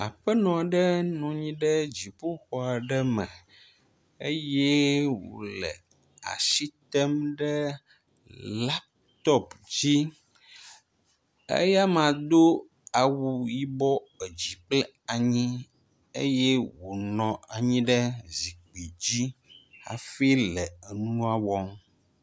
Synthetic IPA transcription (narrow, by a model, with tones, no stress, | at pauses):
a˨ɸɛ˦nɔ̃˨ɖə˦nũ˨ɲĩ˦ɖɛ˦d͡ʑi˨po˦xɔ˨a˨ɖɛ˦mɛ̃˨ | e˦jɛ˦wo̰˨lɛ̰˨ | a̰˨ʃi˦t̪ɛ˦mɖɛ˦ | la˦p̚ | t̪ɔ˦pd͡ʑi˦ | ḛ˦ja˦mã˨d̪o˦ | a˨wu˨ji˦bɔ˦e˨d͡ʑi˨k͡plɛ˦ | a˨ɲĩ˦ | ḛ˦je˦wo˨nɔ̃˨a˨ɲĩ˦ɖə˦zi˨k͡pi˨d͡ʑi˦ha̰˨fi˦lɛ˨nũ˦a˨wɔ˦m